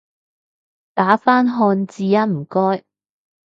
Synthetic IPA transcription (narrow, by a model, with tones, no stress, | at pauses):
t̪aː˨˥faː˥nɦɔː˧nt͡siː˧jɐ˥m̩˨˩kɔː˥j